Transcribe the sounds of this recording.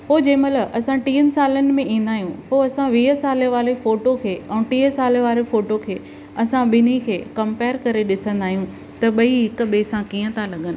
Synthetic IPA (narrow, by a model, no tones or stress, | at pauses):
poːd͡ʑɐ̃ːmɐləbʔɐsãʈiːənɪ̆saːlənɪ̆mẽĩːnd̪aːɦijũpoːɐsãʋiːɦəsaːleʋaːɾefoːʈokʰeːɛ̃ːʈiːɦəsaːleʋaːɾefoːʈokʰeː | ɐsãɓɪnikʰeːkɐ̃mpeːɾkɐɾeɗɪsə̃nd̪aːɦijũ | t̪ɐɓɐiɦɪkɓeːsãkiːə̃t̪ʰalɐɠənɪ̆